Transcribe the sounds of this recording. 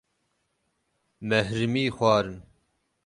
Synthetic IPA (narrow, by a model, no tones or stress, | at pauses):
mɛhɾɨmiːxʷwɑːɾɨn